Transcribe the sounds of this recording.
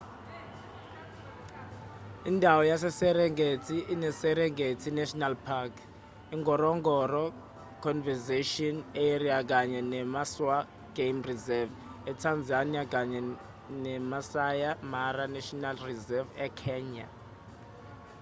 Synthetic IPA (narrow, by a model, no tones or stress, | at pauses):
indʱawɔjasɛsɛɾɛŋɡʱetʰinɛsɛɾɛŋʱetʰinɛʃɔnalpʰakʰ | iŋɡʱɔrɔŋɡʱɔrɔ | kʰɔnvɛzeʃiɔneriak̬aɲɛnɛmaswa | ɡ̥ejmrizɛv | ɛtʰand͡zʱaniak̬aɲɛ | nɛmasajamaranɛʃɔnalrizɛvɛkʰɛːɲa̰